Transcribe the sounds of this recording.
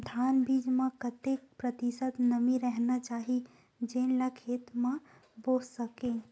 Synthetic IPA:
d̪ʱaːnbiːd͡ʒmẽkɐt̪ek̚pɾət̪isət̪nəmĩɾɛɦnat͡ʃaːɦi | d͡ʒẽːnlakʰeːt̪mã | boːssəkẽː

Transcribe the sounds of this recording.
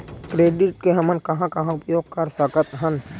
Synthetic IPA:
kɾeːɖɪʈkeɦɐmənkɐɦãkɐɦãʊpjoːɡ̚kɐɾsəkət̪ɦən

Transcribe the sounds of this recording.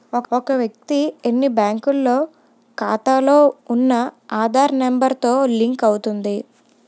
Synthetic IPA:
ɔɔkɐʋjɐk̚t̪ienːibaːŋkulːo̞ː | kaːt̪aːlo̞ːunːɐaːd̪ʱaːɾmembɐɾt̪o̞ːliŋkɐwut̪und̪i

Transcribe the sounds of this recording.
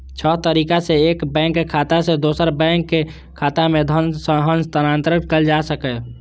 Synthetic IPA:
t͡ʃʰəɦt̪əɾiːkaseeːkbɛ̃ːŋkːekʰaːt̪ased̪oːsəɾbɛ̃ːŋkːe | kʰaːt̪amed̪ʱənsəɦənst̪ənaːnt̪ɾəkəld͡ʒasəkɛ

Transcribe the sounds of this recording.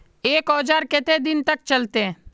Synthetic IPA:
eːkɔːd͡ʒaːɾket̪ed̪ɪnt̪ək̚t͡ʃəlt̪eː

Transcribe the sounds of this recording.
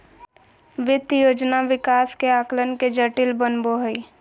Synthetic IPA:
ʋɪd̪joːd͡ʒnaʋɪkaːskeaːklənked͡ʒəʈɪlbənboɦəi

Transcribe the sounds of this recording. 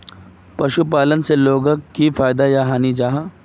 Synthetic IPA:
pɐʃupaːlənseloːɡəkːifaːjd̪ajaɦaːnid͡ʒaːɦ

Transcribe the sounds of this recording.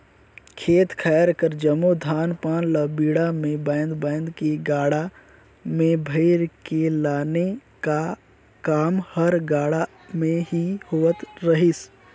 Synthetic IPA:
kʰeːt̪kʰɛːɾkəɾd͡ʒəmud̪ʱaːnpãːnləbiːɽamẽbɛ̃ːnd̪bɛ̃ːnd̪kiɡaːɽa | mẽbʱəɪɾkelaːneka | kaːmhəɾɡaːɽa | mẽɦihoːət̪ɾəɦɪs

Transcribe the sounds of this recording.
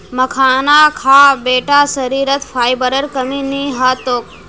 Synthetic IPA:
məkʰaːnakʰaːbeːʈasəɾiːɾət̪fʰaːjbəɾəɾkəminiɦat̪oːk̚

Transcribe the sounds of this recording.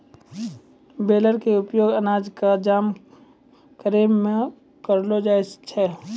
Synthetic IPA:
beːləɾkeʊpjoːɡənaːd͡ʒkad͡ʒaːm | kəɾeːmːẽ | kəɾlod͡ʒaːest͡ʃʰɛː

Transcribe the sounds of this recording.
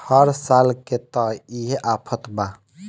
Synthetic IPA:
həɾsalket̪əiɦeʔapʰət̪ba

